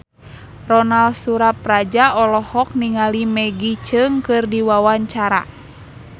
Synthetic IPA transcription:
rɔnalsuɾap̚rad͡ʒaɔlɔhɔk̚niŋalimɛɡit͡ʃɨŋkɨrdiwawaɲt͡ʃaɾa̰

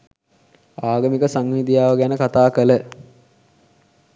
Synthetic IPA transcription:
aːɡəmikəsaŋʋid̪ijaːʋəɡænəkat̪aːkələ

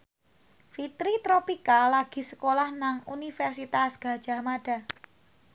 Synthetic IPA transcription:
fit̪ɾit̪ɾopikalaɡ̥i̤sə̥kolahnaŋṵnifɛrsit̪asɡ̥ä̤d̥ʒ̥a̤maɖ̥a̤

